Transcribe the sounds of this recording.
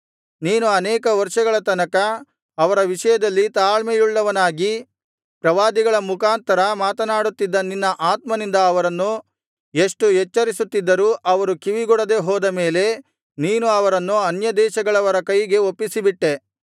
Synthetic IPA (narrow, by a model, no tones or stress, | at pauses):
niːnuɐnɛːkɐʋɐɾʂɐɡɐɭɐt̪ɐnɐkɐ | ɐʋɐɾɐʋiʂɐjɐd̪ɐlːit̪aːɭmejuɭːɐʋɐnaːɡi | pɾɐʋaːd̪iɡɐɭɐmukaːnt̪ɐɾɐmaːt̪ɐnaːɽut̪ːid̪ːɐninːɐʔaːt̪mɐnind̪ɐːʋɐɾɐnːu | eʂʈuɦet͡ʃːɐɾisut̪ːid̪ːɐɾuːʔɐʋɐɾukiʋiɡɔɽɐd̪e̞ɦɔːd̪ɐmeːle̞ | niːnuɐʋɐɾɐnːuɐnjɐd̪ɛːʃɐɡɐɭɐʋɐɾɐkɐjɡe̞opːisibiʈːe̞